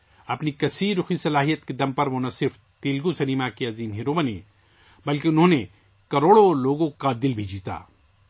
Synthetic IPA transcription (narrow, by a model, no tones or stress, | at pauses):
ɐpnikɐsiːɾːʊxisɐlaːɦijət̪ked̪ɐmpɐɾʋonɐsɪɾf | t̪iːlɡusɐniːmakeɐziːmɦiɾoːbɐnḛ̃ː | bɐlkeʊnɦõːne | kɐɾoːɽoloːɡõkad̪ɪlbʱid͡ʒiːt̪a̰ː